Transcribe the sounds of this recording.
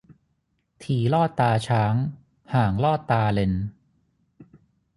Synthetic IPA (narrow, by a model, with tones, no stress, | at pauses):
t̪ʰiː˨˩lɔː˥˩t̪ːaː˧t͡ɕʰaː˦˥ŋ | haː˨˩ŋlɔː˥˩t̪ːaː˧le˧n